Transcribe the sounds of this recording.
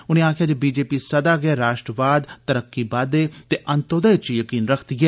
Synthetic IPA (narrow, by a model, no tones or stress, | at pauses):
ʊnẽːaːkʰjaːd͡ʒebiːd͡ʒeːpiːsəd̪aːɡɪɛːɾaːʃʈɾəʋaːd̪t̪əɾəkːiːbaːd̪eːt̪eːʔənt̪od̪aːt͡ʃjəkiːnɾəkʰt̪ɡɛː